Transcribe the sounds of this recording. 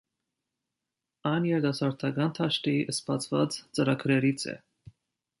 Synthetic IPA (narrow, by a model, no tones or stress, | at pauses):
ɑjnjɛɾd̪ɑsɑɾt̪ʰɑɡɑnt̪ʰɑʃt̪iʔəspɑt͡sʰvɑ̰t͡st͡səɾɑkʰɾɛɾit͡sʰɛ̰